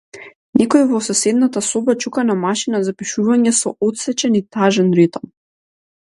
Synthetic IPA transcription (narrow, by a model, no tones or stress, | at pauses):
nɛkɔivɔsɔsɛd̪nat̪asɔbat͡ʃukanamaʃinazapiʃuvaɲɛsɔʔɔt̪sɛt͡ʃɛnit̪aʒɛnɾit̪ɔm